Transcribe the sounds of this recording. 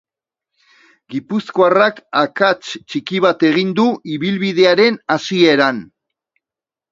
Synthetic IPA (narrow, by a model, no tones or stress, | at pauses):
ɡipusko̞arakakat͡ʃt͡ʃikiβ̞at̪e̞ɣ̞ind̪uʔiβilβiðe̞aɾe̞nasie̞ɾan